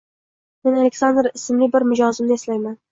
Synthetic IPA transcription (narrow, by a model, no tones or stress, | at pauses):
menalʲekʲsand̪ɾɪsɪmlibɪɾmʊd͡ʒɒzɪmnɪeslajman